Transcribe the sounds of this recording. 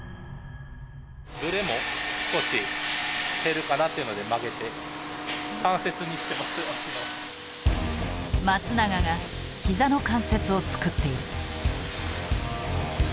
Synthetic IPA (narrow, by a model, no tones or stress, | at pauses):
bɯɾemo̞sko̞ɕi | t̪e̞ɾɯ̟kanat̪ːeiɯ̟no̞d̪e̞maɡe̞t̪e̞ | kãɰ̃se̞t͡sɨɲ̟iɕi̥t̪e̞masɨaio | mat͡sɨnaɡaɡa | çizano̞kãɰ̃se̞t͡sɨo̞t͡sɨ̥kɯ̟t̪ːe̞iɾɯ̟